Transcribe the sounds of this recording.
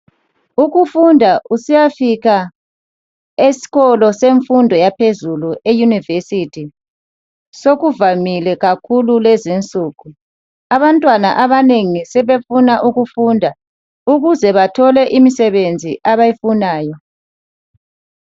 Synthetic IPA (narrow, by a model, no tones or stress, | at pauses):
uɣufundʱaʔusijafiɣa | esi̥ɣɔlɔseɱfundʱɔjapʰezuluʔejunivesitʰi | soɣuvamilɛɣakʰululɛzint͡sʼuːɣu | aβantʼwanaʔaβaneŋisɛβefunaʔuɣufundʱa | uɣuzɛβatʰɔlɛʔimisɛβend͡zʱiʔaβajifunaːjɔ